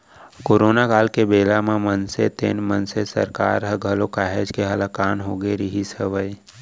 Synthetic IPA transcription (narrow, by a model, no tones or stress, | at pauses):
koːɾoːnakaːlkebeːlamẽmənset̪ḛːnmənsesə̰ɾka̰ːɾɦəɡʱəlokaːɦed͡ʒkeɦɐləkaːnɦoːɡeɾiɦisəʋəi